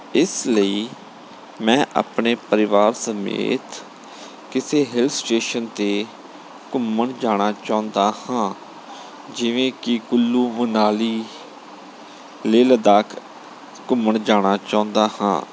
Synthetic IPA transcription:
ɪsləiː | mɛ̃ːʔa̰ːpɳeːpəɾɪʋaːɾsəmḛːt̪ | kɪseːɦɪlsʈeːʃənt̪eː | kʊməɳd͡ʒaːɽ̃aːt͡ʃaːʊ̃nd̪aːhãː | d͡ʒɪʋẽːkɪkʊlːuːmənaːliː | leːləd̪aːkʰ | kʊməɳd͡ʒaːɽ̃aːt͡ʃaːʊ̃nd̪aːhã̰ː

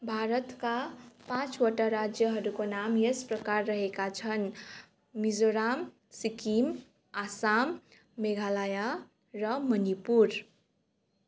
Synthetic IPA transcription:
bʱaɾʌt̪kapãt͡ʃwʌʈaɾad͡ʒjʌɦʌɾukonamjespɾʌkaɾːʌɦekat͡ʃʰʌn | mizoɾam | sikim | asamː | eɡʱalaja | ɾʌmʌnipuɾ

